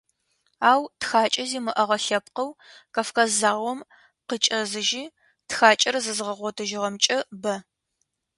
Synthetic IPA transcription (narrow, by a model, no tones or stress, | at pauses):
aːwtxaːt͡ʃʼɐziːmɨʔɐʁɐɬɐp̚qɐwkɐfkɐzaːʁʷɔm | qət͡ʃʼɐzɨʒiː | txaːt͡ʃʼɐrzɨzɨʁɐʁʷɔtʰɨʒɪʁɐmt͡ʃʼɐbɐ